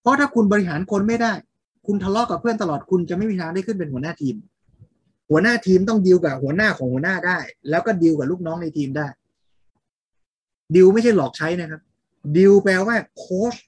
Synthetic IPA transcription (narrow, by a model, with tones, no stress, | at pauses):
pʰɔ˦˥t̪ʰaː˥˩kʰu˧nbɔː˧ɾi˧˥ɦaː˩˦nkʰo˧nma˥˩jdaː˥˩j | kʰu˧nt̪ʰa˧lɔ˦˥kaː˨˩pʰɯ˥˩ənt̪a˧lɔː˨˩t̪̚kʰu˧nt͡ɕa˨˩ʔma˥˩jmi˧˥aː˧˦ndaː˥˩jkʰɯ˥˩np̬e˧nhu˩˦ənaː˥˩t̪ʰiː˧m | hu˩˦ənaː˥˩t̪ʰiː˧mt̪ɔ˥˩ŋdi˧wkaː˨˩hu˩˦ənaː˥˩kʰɔː˩˦ŋhu˩˦naː˥˩daː˥˩jlɛː˦˥wkɔː˥˩di˧wkaː˨˩luː˥˩k̚nɔː˦˥ŋna˧jt̪ʰiː˧mdaː˥˩j | di˧wma˥˩t͡ɕʰa˥˩jlɔː˨˩k̚t͡ɕʰa˦˥jna˦˥jkʰa˦˥p̚ | di˧wpɛː˧waː˥˩kʰoː˦˥s